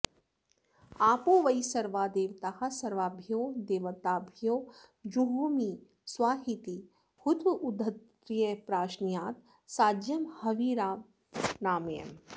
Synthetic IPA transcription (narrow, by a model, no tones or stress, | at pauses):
aːpoːʋɐisɐɾʋaːd̪eːʋt̪ahɐsɐɾʋaːbʱjoːd̪eːʋət̪aːbʱjoːd͡ʒuɦoːmi | swaːɦit̪i | hʊt̪ʋɐʔud̪ʱɐt̪ | ɾijəpɾaːʃnijaːt̪ | saːd͡ʒjɐmhɐʋiːɾaː | naːmejɐ̰m